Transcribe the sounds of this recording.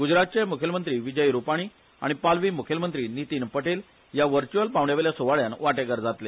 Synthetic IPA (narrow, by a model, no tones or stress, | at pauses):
ɡud͡ʑɾat̪̚t͡ɕemukʰjəmənt̪ɾiːʋid͡ʑəjɾupaɽ̃iː | a̰ɽ̃ipalʋiːmukʰjəlmənt̪ɾiːnit̪iːnpəʈel | jaʋəɾt͡ɕuəlpaʋɳjaʋeljasoʋaɭjanʋaʈeɡəɾd͡zat̪le